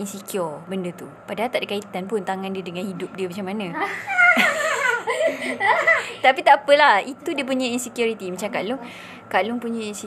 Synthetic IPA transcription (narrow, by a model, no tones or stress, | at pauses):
insikiɔrbəndət̪u | padaɦalt̪aʔdəkait̪anpʊnt̪aŋãndiədəŋanhidʊp̚diəmat͡ʃamːanã | t̪apit̪aapəlahit̪udiəp̬uɲainsikjuɾit̪imat͡ʃamkalʊŋ | kalʊŋpuɲains